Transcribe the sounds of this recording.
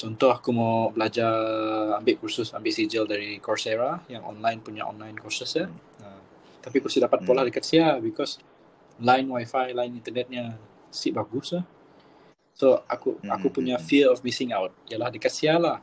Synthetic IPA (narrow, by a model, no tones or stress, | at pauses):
t͡ʃɔnt̪ɔhakumobəlad͡ʒaambɪʔkususambɪʔsid͡ʒəldaɾikɔrseɾajaŋɔ̰nlajnpuɲa̰ʔɔ̰nlajnkɔsəsa | ə | t̪apikursidapat̪̚polahdəkat̪̚siabikɔs | lajnwajfajlaɪnint̪ənɛt̪̚ɲə | siʔbaɡusa | soa̰kuakupuɲafiəɔfmisɪŋawt̪̚ialahdəkat̪̚sialah